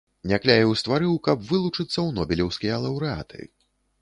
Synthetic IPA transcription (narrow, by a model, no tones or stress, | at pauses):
nʲaklʲajʲiwst̪vaɾɨwkɐbvɨlˠut͡ʂɨt̪sːɐwnɔbʲilʲɛwsʲkʲijɐlˠɐwɾɨa̰t̪ʰɨ̰